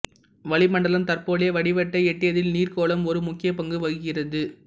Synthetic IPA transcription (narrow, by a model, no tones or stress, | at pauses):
ʋɐɭɪmɐɳɖɐlɐmt̪ɐɾpoːɭejɐʋɐɽɪʋɐʈːɐɪɛʈːɪjɐðɪlniːrkoːɭɐmɔɾɯmʊkːɪjɐpɐŋɡɯʋɐɻɯɣɪrɐðɯ